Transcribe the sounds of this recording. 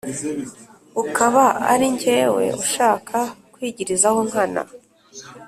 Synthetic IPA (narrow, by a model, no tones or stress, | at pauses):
ukaβaa̰ɾiɲɟe̞ːwe̞̰uʃaːkʰakwiːɟiɾizahoŋ̥hana̰